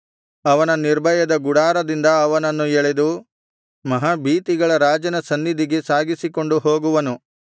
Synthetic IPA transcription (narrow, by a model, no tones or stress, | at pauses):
ɐʋɐnɐniɾbʱɐjɐd̪ɐɡuɽaːɾɐd̪ind̪ɐːʋɐnɐnːueɭed̪u | mɐɦaːbiːt̪iɡɐɭɐɾaːd͡ʒɐnɐsɐnːid̪iɡe̞saːɡisiko̞ɳɖuɦoːɡuʋɐnu